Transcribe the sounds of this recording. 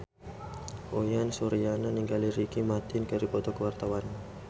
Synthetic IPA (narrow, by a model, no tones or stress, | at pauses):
ʔojansuɾijananiŋɡaliɾikimat̪ɪnkəɾipɔt̪ɔkəwart̪awan